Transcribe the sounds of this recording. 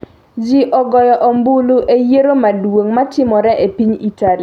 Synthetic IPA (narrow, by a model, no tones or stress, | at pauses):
d͡ʒiʔɔɡɔjɔʔɔmbuluʔejeɾomadwoŋmatɪmɔɾɛʔepiɲitali